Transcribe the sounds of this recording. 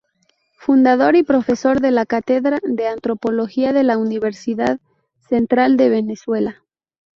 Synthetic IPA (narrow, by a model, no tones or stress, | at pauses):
fund̪að̞o̞ɾipɾo̞fe̞so̞ɾðe̞lakat̪eðɾaðeant̪ɾo̞po̞lo̞xiaðe̞launiβ̞e̞ɾsiðað | se̞nt̪ɾald̪e̞βe̞neswe̞la